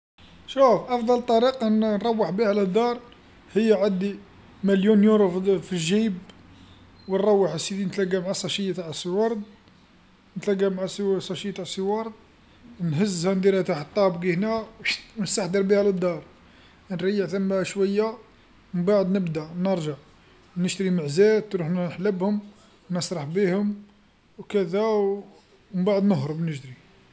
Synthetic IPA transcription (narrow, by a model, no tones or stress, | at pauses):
ʃufʔɑfd̪ˤɑlt̪ˤːɑɾiqɑnnɾˤɑwːəħbihæləd̪ːɑɾˤ | həjːaʕad̪i | mæljunjuɾffiʒib | wənɾˤɑwːəħəsid̪inət̪læɡæmʕasˤɑʃijːt̪aʕəsiwɑɾˤd̪̚ | nət̪læɡæmʕassˤɑʃijːt̪aʕsiwɑɾˤd̪̚ | nɦəzːhænd̪iɾæt̪aħət̪ˤːɑbɡihnæwnəst̪aħd̪əɾbihæləd̪ˤːɑɾˤ | nɾɑjːəʕt̪æmaʃwæjːa | məmbaʕd̪nəbd̪ænəɾˤʒəʕ | nəʃt̪ɾiməʕzæt̪ːɾuħnħləbhʊm | wnəsˤɾˤɑħbihʊm | wkəd̪æw | mmbaʕəd̪nəɦɾˤəbnəʃd̪ɾi